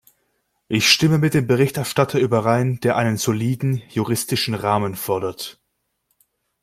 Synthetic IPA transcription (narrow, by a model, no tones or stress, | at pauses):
ʔɪçʃtɪməmɪt̚d̥eːmbəʁɪçtɛɐʃtatʰɐʔyːbɐʁaɪnd̥eːɐʔaɪnənz̥oliːdn̩juʁɪstɪʃn̩ʁaːmənfɔɐdɐt